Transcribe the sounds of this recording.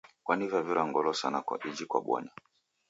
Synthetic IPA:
kwanivavuɾaŋɡɔlɔsanakwa̰ʔid͡ʒikwa̰ɓwɔ̰na

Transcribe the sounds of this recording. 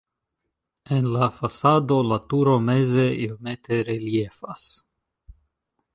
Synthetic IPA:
enlafasaːd̪olat̪uɾomezeilmet̪eɾeljefas

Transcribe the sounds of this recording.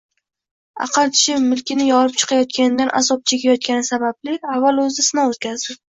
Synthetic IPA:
a̰qʰɨlˠt̪ʰɪʃɪpmɪlkʲɪnɪjɒɾɪp̚t͡ʃʰɨ̥qʰɑjɒt̪̚kʲanɪd̪anʔa̰sɒp̚t͡ʃʰekʲajɒt̪̚kʲanɪsabablɪavːalˠɵzɪsɪnawt̪̚kʲazd̪ɪp̚

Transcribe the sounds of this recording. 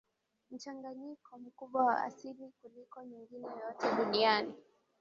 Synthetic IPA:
m̩t͡ʃaŋɡaɲikʰɔm̩kuɓwawa̰ʔa̰silikulikɔɲiŋɡinɛjɔtɛɗuɗiani

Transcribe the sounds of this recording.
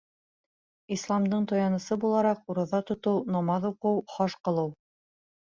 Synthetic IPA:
islˠɑmd̪ɤɴt̪ojɑnɤ̆sɤbulˠɑɾɑquɾɤ̆ðɑt̪ŏt̪ɤwnɑmɑðuqɤwχɑʃqɤ̆lˠɤw

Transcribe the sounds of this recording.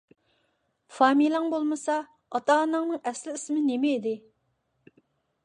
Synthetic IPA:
fɑːmilˠɑŋbolˠmɨsɑ | ɑt̪ɑnɑŋnɨŋɛslɪismɪnemɛid̪ɪ

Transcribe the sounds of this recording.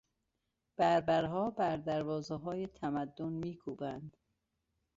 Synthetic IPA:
b̥æɾbæɾɦɒːbæɾd̪æɾvɒːzeɦɒːjet̪ʰæmæd̪ːonmiːkʰuːbænd̪̥

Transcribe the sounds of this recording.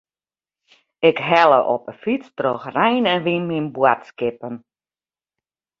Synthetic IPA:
ɪkɦɛlˠə̰ʔɔ̰pəfit͡strɔxrɛjnɛnʋinminbwatskɪpən

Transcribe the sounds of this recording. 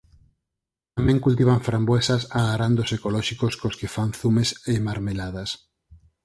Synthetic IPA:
t̪amɛ̃ŋkult̪iβ̞aɱfɾambwesasaɣaɾand̪osekolɔʃikoskoskefanθumesemaɾmelaðas

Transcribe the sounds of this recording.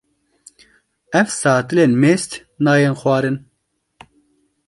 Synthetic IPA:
ɛvsɑːt̪ɨleːnmeːst̪ | nɑːjenxwɑːɾɨn

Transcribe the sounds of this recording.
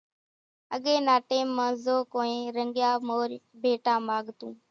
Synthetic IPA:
əɠeːnaːʈeːmːãːzoːkoːẽːɾəŋɡjaːmoːɾbʱeːʈãːmaːɠt̪ũː

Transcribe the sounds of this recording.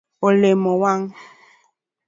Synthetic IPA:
olemɔwaŋ

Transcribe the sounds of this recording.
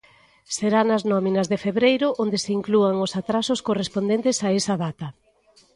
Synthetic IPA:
seɾanɐznɔminɐzðefeβɾejɾʊʔond̪eseiŋkluaŋosat̪ɾasʊskorespond̪ẽnt̪ɪsaesɐðat̪ɐ

